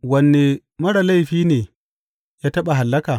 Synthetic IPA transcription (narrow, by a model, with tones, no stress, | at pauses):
wɐ˨nːe˨ | mɐ˦ɽa˨la˦jɸiː˦neː˨ | jaː˦tɐ˦ɓa˨ɦa˨lːɐ˦kaː˨